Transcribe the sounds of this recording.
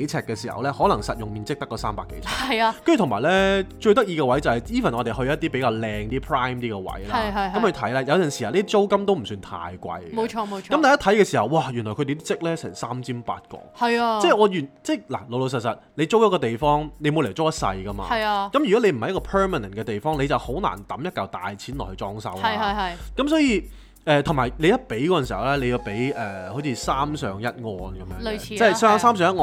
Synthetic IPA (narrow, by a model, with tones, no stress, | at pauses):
e˨˥jt͡sʰɛː˧˩kːɛ˧siː˨˩hɐ̰˨˩wlɛː˥hɔː˨˥lɐ˨˩ŋsɐ˨t̚jʊ˨ŋmiː˨˧nt͡sɪ˥k̚t̪ɐ˥kːɔː˧saː˥mpa̰ː˨kːḛ˨˦jt͡sʰɛ̰ː˨˧ɐ˨ja˧kɐ˥ny˨t̪ʰmaː˨˩jlɛː˥t͡ʃɵ˧ɥt̪̬ɐ˥k̚jiː˧ɡɛ˧wɐ˨˥jt͡sɐ˨hɐ˨˩jjiː˥fɐ˨˩nʔɔː˨˧te˨jhɵ˧jɐ˥t̪̚ːiː˥pe˨˥jkaː˧wlɛː˧ŋt̪iː˥pʰɹaː˥jmt̪iː˥kɛ˧wɐ̰˨˥jla˨˧ɐ˧jkɐ˨˦mkʰːt̪ʰɐ˨˥jlaː˧jɐ˧wt͡sɐ˨˩nsi˨˩a˨˧liː˥d̪iː˥t͡so˥wkɐ˥mt̪o˥wm̩˨˩syː˧nt̪ʰa̰ː˧jkʷɐ̰˧jɡmo˨˧t͡ʃʰɔː˧mo˨˧ɐ˨˥t̪aː˨˩jɐ˥t̪ʰɐ˨˥jkɛː˧siː˨˩hɐ˨wwaː˨˩jyː˨˩nlɔː˨˩kʰɵ˧t̪e˨˧t̪iː˥t͡sɪ˥k̚lɛː˥sɛ̰ː˨˩ŋsaː˥mt͡sʰiː˥mpa̰ː˧t̚kɔ̰ː˧hɐ˨ja˧t͡sɛː˥˩ɔː˨˧jyː˨˩nt͡sɛː˥˩jla̰˨˩lo˨wlo˨˩sɐ˨t̚sɐ˨t̚le˨˧jt͡so˥wjɐ˥kɔ˧t̪e˨jfɔː˥ŋne˨˧jmo˨˧le˨˩t͡so˥wjɐ˥t̚sɐ̰˧jkɐ˥ma̰ː˧ɐ˨jɐ˧kɐ˨˦mjy˨kɔ˨˥le˨˧jm̩˨˩ɐ˨jɐ˥kɔː˧pʰɛː˥maː˨nɐ˨˩nkɛː˧t̪e˨jfɔː˥ŋle˨˧jt͡sɐ˨who˨˥wna̰ː˨˩nt̪ɐ˨˥mjɐ˥t̚kɐ˨˧wt̪a̰ː˨jt͡sʰiː˨˥nlɔ̰ː˨˩hɵ˧t͡sɔː˥ŋsɐ̰˥wɐ˦˨ɐ˧jkɐ˨˥msɔː˨˥jiː˧ | ɛː˨˧t̪ʰʊ˨˩ŋmaː˨˩jle˨˧jɐ˥t̚pe˨˥jkɔ˨˥ɐ˨siː˨˩hɐ˨˩wlɛː˥le˨˧ji˧wpe˨˥jʔɛː˨˩ho˨˥t͡sʰi˧saː˥msœː˨˧ŋjɐ˥t̚ŋɔː˧nkɐ˨˦mjœː˧˦˨i˨˥t͡sɛː˥ssaː˥msœː˨˧ŋɐ˥t̚ŋɔ˧